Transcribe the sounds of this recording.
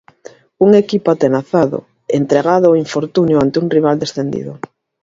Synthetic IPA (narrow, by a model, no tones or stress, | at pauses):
uŋekipoat̪enaθaðʊ̰ | ent̪ɾeɣaðʊoiɱfoɾt̪unjoant̪euŋriβ̞ald̪esθend̪ḭðʊ